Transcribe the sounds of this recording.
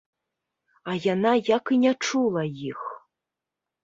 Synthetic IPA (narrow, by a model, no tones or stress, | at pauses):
ajanajakinʲɛt͡ʂulˠɐjix